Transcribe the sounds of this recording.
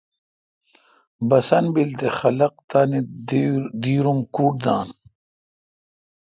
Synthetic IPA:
bɐsɐnbilt̪exɐlɐq̚t̪aːni | d̪iːɾumkuːʈ̚d̪aːn

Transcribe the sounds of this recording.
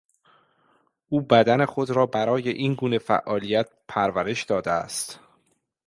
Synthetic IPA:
ʔuːbæd̪æne̞xo̞d̪ɾɒːbæɾɒːje̞ʔiːnɡuːne̞fæ̰ʔːɒːlijæt̪̚pʰæɾvæɾe̞ʃd̪ɒːd̪eæ̰st̪

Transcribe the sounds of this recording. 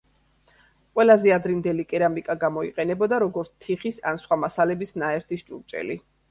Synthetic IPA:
qʼwɛlazɛad̪ɾind̪ɛlikʼɛɾamikʼaɡamɔiqʼɛnɛbɔd̪aɾɔɡɔɾt̪t̪ʰiχisa̰nsχwamasalɛbisnaɛɾt̪ʰisʃt͡ʃʼuɾt͡ʃʼɛ̰li

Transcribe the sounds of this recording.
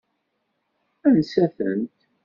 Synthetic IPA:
ænsæθə̰nt̪

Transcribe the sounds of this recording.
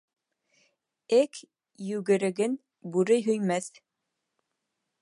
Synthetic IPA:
ɘk | jʉɡɘ̆ɾɘ̆ɡɘn | bʉɾɘjɦɵ̆jmæθ

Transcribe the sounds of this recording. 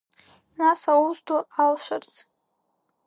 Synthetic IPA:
nasauztʰualʃart͡sʰʼ

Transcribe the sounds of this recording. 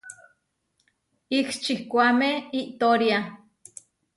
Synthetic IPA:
ikt͡ʃihkʷamehiʔt̪oɾja

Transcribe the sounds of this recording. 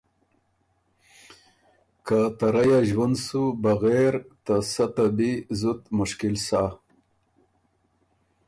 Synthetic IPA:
kat̪aɾajaʒwand̪subaɣeɾt̪asat̪abizut̪mʊʃkɪlsa

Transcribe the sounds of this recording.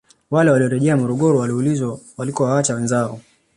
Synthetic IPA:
walɛwaliɔɾɛʄɛamɔɾɔɠɔɾɔwaliulizwawalikɔwaat͡ʃawɛnzaɔ

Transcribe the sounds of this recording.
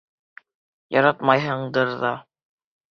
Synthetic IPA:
jɑɾɑt̪mɑjɦɤɴd̪ɤɾðɑ

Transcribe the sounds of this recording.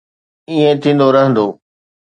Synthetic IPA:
iːẽt̪ʰĩːn̆d̪oɾɐɦə̃nd̪oː

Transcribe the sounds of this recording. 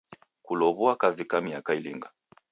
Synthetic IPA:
kulɔβuakavikamiakailḭŋɡa

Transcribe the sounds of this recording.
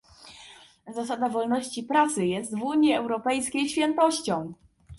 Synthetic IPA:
zas̬ad̪avɔlnɔɕt͡ɕipɾat̪sɘjɛst̪vuɲjiɛwɾɔpɛjskʲejɕfʲjɛnt̪ɔɕt͡ɕɔ̃w̃

